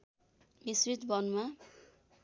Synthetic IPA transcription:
misɾit̪bʌnma

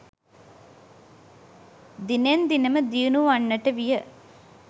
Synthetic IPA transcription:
d̪inend̪inəməd̪iənuʋɐnːɐʈəʋijə

